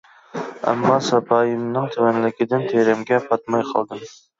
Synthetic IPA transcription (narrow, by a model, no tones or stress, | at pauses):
æ̰mːɑsɑpʰɑːjɪmnɪŋt̪ʰywɛnlɪkʲɪd̪ɪnt̪ʰeɾɪmɡʲɛpʰɑt̪̚mɑjqʰɑ̰lˠd̪ɨm